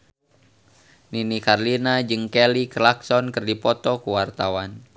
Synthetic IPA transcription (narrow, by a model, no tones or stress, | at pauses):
ninikarlinad͡ʒɨŋkɛliklaksɔnkɨrdipɔt̪ɔkuwart̪awan